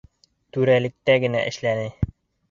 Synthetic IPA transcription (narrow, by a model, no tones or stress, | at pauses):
t̪ʉɾælɘ̆k̚t̪æɡɘ̆næ̰ʔɘ̆ʃlænɘ